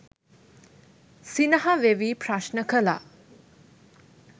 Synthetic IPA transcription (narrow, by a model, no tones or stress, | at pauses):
sinɐɦɐʋeʋipɾaʃnəkəla̰